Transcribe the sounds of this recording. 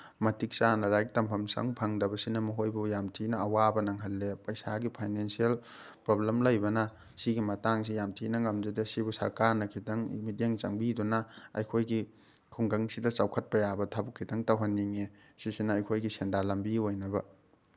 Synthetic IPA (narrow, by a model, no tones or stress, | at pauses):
mɐtik̚t͡ʃanɐɾajktɐmpʰɐmsɐ̰ŋpʰɐŋdɐbɐsinɐmɐɦojbujamtʰinɐɐwabɐnɐŋɦɐlːepɐjsaɡipʰajnensiel | pɾoblemlɐjbɐnɐ | siɡimɐtaŋs̬ijamtʰinɐŋɐmd͡ʒedɐsibusɐ̰ɾkaɾnɐkʰitɐŋḭmideŋt͡ʃɐŋbidunɐɐ̰jkʰojɡi | kʰuŋɡɐŋsidɐt͡ʃawkʰɐt̚pɐjabɐtʰabukʰːitɐŋtɐwɦɐnːiŋe | sisinɐːjkʰojɡisendalɐmbiojnɐbɐ